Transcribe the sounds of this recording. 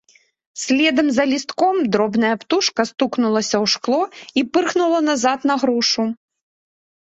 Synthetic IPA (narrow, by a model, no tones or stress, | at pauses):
sʲlʲɛd̪ɐmzɐlʲist̪kɔmd̪ɾɔbnɐjɐpt̪uʂkɐst̪uknulˠɐsʲɐwʂklˠɔipɨrxnulˠɐnazat̪nɐɣɾuʂu